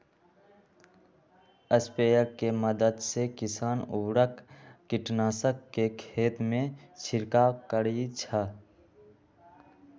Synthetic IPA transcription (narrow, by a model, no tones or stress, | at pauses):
əspejəkːeməd̪əd̪sekɪsaːnuɾəkːɪʈnaːsəkːekʰeːt̪mẽt͡ʃʰɪɾkakəɾit͡ʃʰə